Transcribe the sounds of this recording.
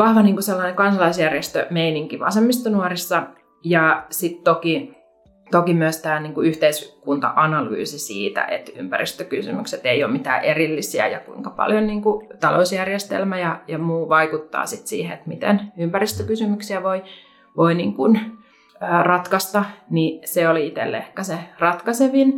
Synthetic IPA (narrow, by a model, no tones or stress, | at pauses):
ʋɑhʋɑniːŋkuselːɑnekɑnsɑlɑisjærjest̪ø̰meiniŋkiʋɑ̰semːist̪onuorisːɑ | jɑsit̪t̪oki | t̪okimyøst̪æːniːŋkuyht̪eiskunt̪ɑ̰ʔɑnɑly̰ːsisḭːt̪æ̰ʔḛt̪y̰mpærist̪økysy̰mykset̪eioːmit̪æ̰ːʔerilːisiæ̰jɑ̰kuiŋkɑpɑ̰ljonniːŋkut̪ɑlousjærjest̪ḛlmæjɑjɑmuːʋɑikut̪ːɑ̰ːsit̪sḭːheet̪mit̪ḛnympærist̪økysymyksiæʋoi | ʋoiniːŋkun | øːrɑt̪kɑst̪ɑniseoliit̪ḛlːḛhkæserɑt̪kɑseʋin